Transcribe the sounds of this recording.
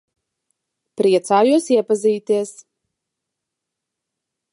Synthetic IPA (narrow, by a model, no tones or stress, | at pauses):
pɾiɛt̪saːjuɔsiɛpazʲiːt̪iɛs